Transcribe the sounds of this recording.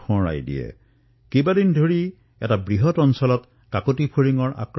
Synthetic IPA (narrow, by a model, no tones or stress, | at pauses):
ɔ̃ɹa̰jdḭjɛ̰ | kebadindʱoɹi | ɛtabɹiɦɔtɔnsɔlɔt | kakotipʰuɹiŋɔɹʔa̰kɹ